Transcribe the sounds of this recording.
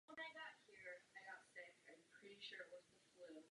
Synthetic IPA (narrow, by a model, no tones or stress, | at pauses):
ə̃naɪɡɑt̚hiɹaɪɡɑtseɪãɪ̃pʰɹ̥ɪɾiʃʊɹʔ̚wʌzðəflʉ